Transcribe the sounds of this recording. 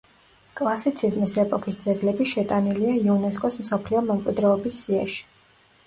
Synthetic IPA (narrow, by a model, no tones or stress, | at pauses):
kʼlˠasit̪sʰizmisɛpʼɔkʰisd̪zɛɡlɛbiʃɛt̪ʼaniliaiunɛs̬kʼɔsmsɔpʰliɔmɛmkʼwid̪ɾɛɔbisːiaʃi̥